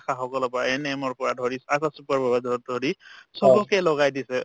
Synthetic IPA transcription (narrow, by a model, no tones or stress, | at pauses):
akʰaxɔkɔlɔpɔɹaɛnɛmɔɹpɔɹadʱɔɹisasasupaɹbɔbadɔdʱɔɹisɔbɔkɛlɔɡajdisɛ